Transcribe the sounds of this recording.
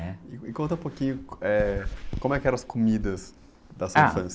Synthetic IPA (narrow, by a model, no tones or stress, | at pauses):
ɛɪikõnt̪ɐũpokĩɲʊɛkõmʊɛkɪɛɾɐ̃ɐskomid̪ɐz | d̪ɐsãfɐ̃s